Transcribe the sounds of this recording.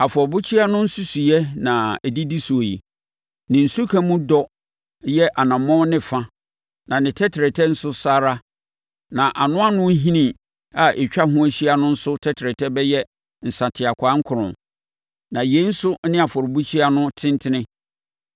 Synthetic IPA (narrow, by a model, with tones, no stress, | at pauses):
a˨fɔ˨bʊ˦t͡ɕʰi˦a˦nʊ̃˦n̩˦su˦su˨jɛ˦nã˨ɛ˨di˦di˦su˨o˨ji˨ | nɪ̃˨n̩˨su˦kʰã˦mũ˦dɔ˦ | jɛ˦ʔa˨nã˨mɔ̃˦nɪ̃˦fã˦ | nã˨nɪ̃˨tʰɛ˦tʰɾɛ˨tʰɛ˦n̩˦sʊ˦saː˦ɾa˦ | nã˨ʔa˨nʊ̃˦a˦nʊ̃˦ɦĩ˦nĩ˦ | a˨ʔɛ˨t͡ɕᶣa˦ɦʊ̃˦æ˦ɕi˦a˦nʊ̃˦n̩˦sʊ˦tʰɛ˦tʰɾɛ˨tʰɛ˦bɛ˦jɛ˦ | n̩˨sa˨tʰɪ˨a˨kʷʰaː˨˦ŋ̩˦kʰʊ˨ɾʊ̃˨ | nã˨je˨˦n̩˦sʊ˦nɪ̃˦a˨fɔ˨ɾbu˦t͡ɕʰi˦a˦nʊ̃˦tʰɪ̃˦n˦tʰɪ˦nɪ̃˦